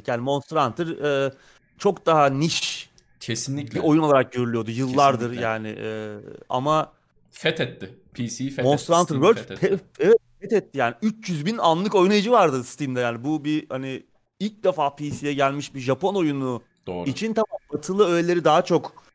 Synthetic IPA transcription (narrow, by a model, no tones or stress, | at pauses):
jaːnimo̞nst̪ɾant̪ʰɯɾɛː | t͡ʃʰo̞kd̪aɦaniʃ | cʰesinlʲiio̞junoaɾak̚ɟøɾylʲyjo̞d̪ujɯlˠːaɾd̪ɯɾjaːnɪ̰ʔɛa̰ma | fɛt̪ɛt̪ːɪpʰisifmo̞nst̪ɾant̪ɾvøɾpʰɛ | ɛvɛt̪̚fɛt̪ɛt̪ʰːijaːniyt͡ʃjyzbinanlˠɯko̞jnajid͡ʒɯvaɾd̪ɯst̪ind̪ɛjaːnibubihanɪ | ilʲc̚d̪ɛfaːpʰiːsijɛɟælʲmiʃbiʒapo̞no̞junu | d̥̪oːɾit͡ʃʰint̪ʰamambat̪ʰɯlˠɯøjelʲe̞ɾid̪aɦat͡ʃʰo̞k